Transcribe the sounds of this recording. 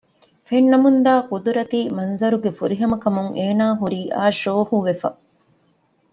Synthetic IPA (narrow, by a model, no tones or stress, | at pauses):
fenːɐmund̪aːkud̪uɾɐt̪iːmɐnzɐɾuɡefuɾiɦɐmɐkɐmuŋʔeːnaːɦuɾiːʔa̰ːʃoːhuʋefɐ̰